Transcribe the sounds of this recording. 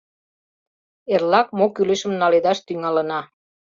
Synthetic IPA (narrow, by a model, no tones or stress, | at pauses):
erlɑkmokyleʃə̆mnɑled̪ɑʃt̪yŋɑlə̆nɑ